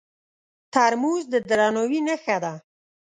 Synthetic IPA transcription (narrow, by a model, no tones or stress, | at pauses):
t̪aɾmuzd̪əd̪ɾɑnowinəxad̪a